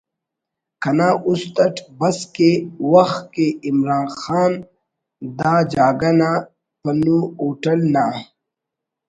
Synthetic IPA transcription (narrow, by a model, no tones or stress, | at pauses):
kɐnaːʔust̪ɐʈʰbɐskewɐxt̪̚keimɾaːnxaːn | d̪aːd͡ʑaːɡɐnaː | pɐnuuːʈɐlnaː